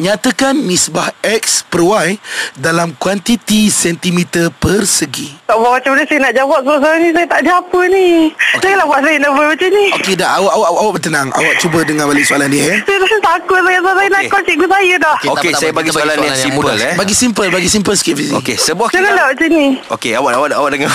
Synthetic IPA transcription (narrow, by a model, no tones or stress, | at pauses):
ɲat̪əkanmisbahɛk̚spərwajdalamkwant̪it̪isɛnt̪imit̪ərpərsəɡit̪aʔbamat͡ʃamnəsajənaʔd͡ʒawaʔsasalanĩs̬ajət̪aʔdiapənid͡ʒaŋalahbuaʔsajənaʔbamat͡ʃaniokedaawaʔawʔawaʔbət̪ənaŋa̰waʔt͡ʃubədəŋãnbalesualannĩɛsat̪aət̪akʊt̪̚sajasaasajənaʔkot͡ʃiʔɡusajədɔhoesabaɡisalanisimupəlɛbaɡisimpəlbaɡisimpəlskiʔfiso̰kesəbuahd͡ʒaŋanlabaʔt͡ʃanio̰keawaʔawaʔawaʔdəŋa